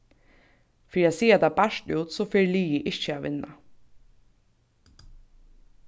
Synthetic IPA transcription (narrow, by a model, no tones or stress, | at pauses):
feːɾiasiːat̪ʰaːbaʃtuːt̪sɔːfeːɹliːjɪʔɪt͡ʃəaːʋɪ̰nːa̰